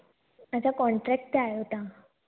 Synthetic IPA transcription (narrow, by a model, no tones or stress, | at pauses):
əsakɔɳʈɾɛk̚ʈt̪eajot̪ã